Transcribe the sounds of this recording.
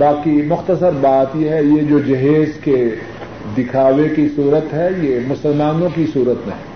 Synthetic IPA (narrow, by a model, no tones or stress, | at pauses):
baːkimʊxt̪əsəɾbaːt̪jeɦɛjed͡ʒoːd͡ʒɐɦeːzke | d̪ɪkʰaːʋekisuːɾət̪ɦɛjemʊsəlmaːnõkisuːɾət̪nɐ̰ɦɛ